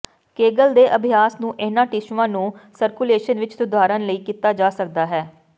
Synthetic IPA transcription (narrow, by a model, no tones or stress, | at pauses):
keːɡəld̪eːʔəbʱɪjaːsnũːʔɪnãːʈɪʃʋãːnũːsəɾkuleːʃənʋɪt͡ʃsʊd̪ʱaːɾənləiːkiːt̪aːd͡ʒaːsək̚d̪aːɦɛː